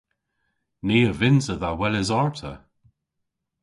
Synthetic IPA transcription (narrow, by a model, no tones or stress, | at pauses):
niːəvɪnzəðawɛlɪzaɹtʰə̰